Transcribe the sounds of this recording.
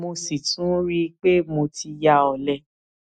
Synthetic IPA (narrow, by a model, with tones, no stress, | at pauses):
mo˧si˨tʰũ˨˦ɾi˦k͡pe˦mo˧ti˧ja˧ɔ˨lɛ˧˨